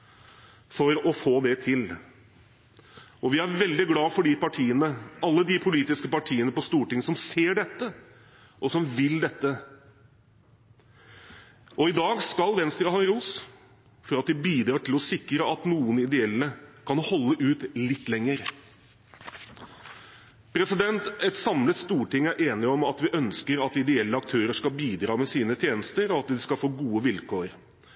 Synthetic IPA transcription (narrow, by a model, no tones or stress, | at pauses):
fɔɾɔfoːd̪ɛt̪ʰɪl | ɔʋɪæɾʋɛld̪ɪɡlɑːfɔɖiːpɑʈʰiːənəɑlːəd̪ɪpʰʊliːt̪ɪskəpɑʈʰiːənəpɔst̪uːʈɪŋəsɔmseːɖɛt̪ːə | ʔɔsɔmʋɪld̪ɛt̪ːə | ʔɔɪd̪ɑːɡskɑlʋɛnst̪ɾəɦɑːɾuːs | fɔɾɑt̪̚d̪ɪbiːd̪ɾɑːʈɪlɔsɪkɾəʔɑt̪nuːənɪd̪ɛɛlːəkʰɑnhɔlːəʔʉːt̪lɪt̪ːlɛŋːəɾ | pʰɾɛsɪd̪ɛnt̪ɛt̪sɑmlət̪st̪uːʈɪŋːæɾʔeːnɪɔmɑt̪ʋɪʔœnskəɾɑt̪ɪd̪ɛɛlːəɑk̚t̪ʰøːɾəʂkɑbiːd̪ɾɑːmɛsiːnət̪ʰjeːnəst̪əɾɔɑt̪̚d̪ɪskɑlfoːɡuːəʋɪlkʰoːəɾ